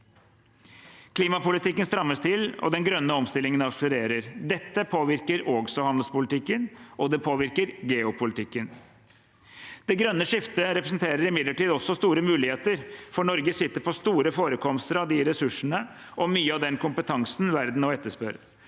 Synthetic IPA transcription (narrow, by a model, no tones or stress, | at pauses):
kʰliːmɑpʊlɪt̪ɪkːənst̪ɾɑmːəst̪ʰɪlɔ̰d̪ɛnɡɾœnːəɔmst̪ɪlɪŋənɑbsəɾeːɾəɾd̪ɛt̪ːəpʰoːʋɪɾkəɾɔːɡsɔhɑnd̪l̩spʊlɪt̪ʰɪkːənʔɔd̪ɛpʰoːʋɪɾkəɾɡeːʊpʰʊlɪt̪ʰɪkːən | d̪̥ɛɡɾœnːəʂɪft̪əɾɛpɾəsnt̪ʰeːɾəɾɪmɪd̪ləʈiːd̪ɔsːɔst̪uːɾəmʉːlɪheːt̪əɾfɔɳɔɾɡəsɪt̪ːəɾpʰɔst̪uːɾəfoːɾəkʰɔmst̪əɾɑd̪ɪɾɛsʉʂəɳə | ʔɔmyːəɑʋd̪ɛnkʊmpət̪ʰɑŋsnʋæɾd̪n̩ɔɛt̪ːəʂpœɾ